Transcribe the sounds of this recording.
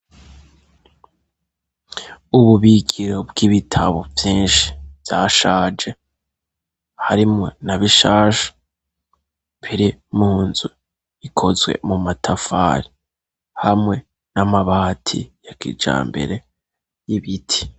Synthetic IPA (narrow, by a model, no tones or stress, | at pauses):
uβuβiɡiɾo̞bɡ̥iβitʰaβo̞vjiːnʃi̥vjaːʃaːd͡ʒe̞ | haɾimŋo̞naβiʃaːʃḁ | piɾimuːnzu | ikʰo̞zwe̞̰mumatʰafa̰ːɾi | hamŋe̞ | namaβaːtʰḭjakḭd͡ʒa̰ːmbe̞̰ɾe̞ | jiβitʰi̥